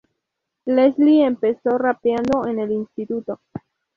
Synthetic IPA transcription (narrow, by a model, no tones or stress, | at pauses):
leslie̞mpe̞so̞rapjand̪o̞ene̞linst̪it̪ut̪o